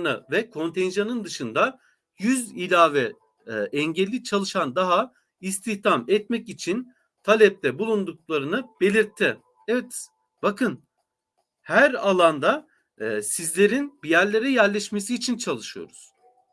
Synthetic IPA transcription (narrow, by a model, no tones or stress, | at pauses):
nɯvɛkʰo̞nt̪ʰɛnʒanɯnd̪ɯʃɯnd̪a | jyzilʲaːvɛ | ʔɛɲɟɛlʲːit͡ʃʰalˠɯʃand̪aɦa | ist̪ʰiçt̪ʰamɛt̪mɛcit͡ʃʰin | t̪ʰalʲɛp̚t̪ʰɛbulˠund̪uk̚lˠaɾɯnɯb̥e̞lʲiɾt̪ʰːi | ɛvɛt̪ | b̥akʰɯn | hæɾalˠand̪a | sizlʲe̞ɾinbijæɾlʲe̞ɾɛjæɾlʲɛʃme̞siːt͡ʃʰint͡ʃʰalˠɯʃɯjo̰ɾuz̥